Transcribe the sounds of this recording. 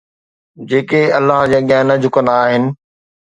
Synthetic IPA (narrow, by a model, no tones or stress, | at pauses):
d͡ʑeːkeɐlːaːɦd͡ʑaːɠɪjaːnɐd͡ʑʱʊkənaːɦɪnɪ̆